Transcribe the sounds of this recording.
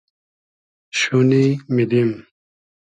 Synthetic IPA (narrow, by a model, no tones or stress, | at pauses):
ɕunimid̪im